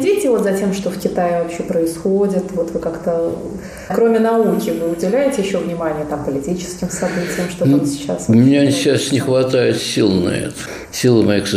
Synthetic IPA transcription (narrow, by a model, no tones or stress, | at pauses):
dʲitʲɪvo̞t̪zɐtʲe̞mʂt̪ofkʲɪt̪ajɪvɐpɕːepɾəɪsxodʲɪt̪vo̞t̪vɨkakt̪ə | kɾo̞mʲɪnɐukʲɪvɨʊdʲɪlʲæjɪtʲɪjɪɕːo̞vnʲɪmanʲɪjət̪ampəlʲɪtʲit͡ɕɪ̥skʲɪmsɐbɨtʲɪjəmʂt̪oonsʲɪ̥t͡ɕːa̰smʲɪnʲaɕasnʲɪxvɐt̪aɪt̪sʲilˠnɐ̰ɛ̰t̪ə̥ | sʲilˠəmɐjik